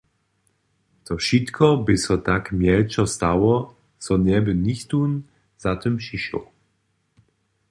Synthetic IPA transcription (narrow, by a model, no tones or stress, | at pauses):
t̪ɔʃit̪kʰɔbɪsɔt̪akmʲjɛlt͡ʃɔst̪awɔ | t͡s̪ɔɲɛbɘnixt̪un | z̥at̪ɪmpʂiʃɔ̰w